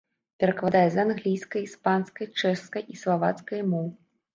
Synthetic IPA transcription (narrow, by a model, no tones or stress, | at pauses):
pʲɛɾɐkvad̪ajɛzanɣlʲijskɐjispanskɐjt͡ʂɛʂskɐjʔislˠavat̪skɐjmɔw